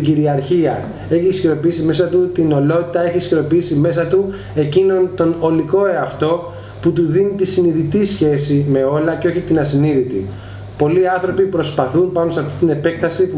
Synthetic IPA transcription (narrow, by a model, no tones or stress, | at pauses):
iɟiɾiɐɾçiɐ | e̞çisçiɾo̞piisime̞sɐt̪ut̪ino̞lo̞t̪it̪ɐe̞çisçiɾo̞piisime̞sɐt̪u | e̞cino̞nt̪o̞no̞liko̞eɐft̪o̞ | put̪uðinit̪isiniðit̪isçe̞sime̞o̞lɐceo̞çit̪inɐsiniðit̪ḭ | po̞liɐnθɾo̞pipɾo̞spɐθunpɐnost̪ɐft̪it̪ine̞pe̞k̚t̪ɐsipu